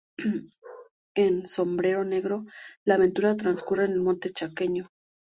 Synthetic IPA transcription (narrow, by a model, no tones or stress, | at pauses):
e̞nso̞mbɾe̞ɾo̞ne̞ɣɾo̞laːβe̞nt̪uɾat̪ɾanskure̞ːne̞lmont̪e̞t͡ʃake̞ɲo̞